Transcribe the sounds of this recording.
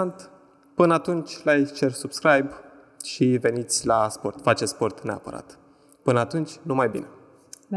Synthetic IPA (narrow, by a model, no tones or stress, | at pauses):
nt̪ | pɨnəat̪unt͡ʃʲlat͡ʃe̞rsubskɾajb | ʃive̞nit̪sʲlaspo̞rt̪fat͡ʃe̞spo̞rt̪ne̞a̰pə̰ɾa̰t̪ | pɨnəat̪unt͡ʃʲnumajbḭne